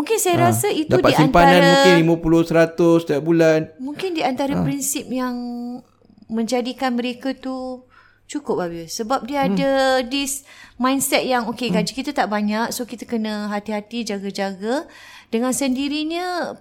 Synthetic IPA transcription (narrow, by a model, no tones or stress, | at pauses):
mũŋkɪnsajaɾasaitd̪aupadisinmpaanãnɾamũɪnlimãpulʊsəɾat̪ʊst̪iaʔ̚bulanmũŋkɪndiant̪aɾapɾinsɪp̚jaŋ | mə̃ɲd͡ʒadikanmə̃ɾekat̪u | t͡ʃukʊp̚abisəbap̚diəadədismãjnsɛt̪̚jaŋokeɡad͡ʒikit̪at̪aʔbaɲaksokit̪akənə̃ɦat̪iɦat̪id͡ʒaɡad͡ʒaɡad̥əŋãnsəndiɾiɲə̃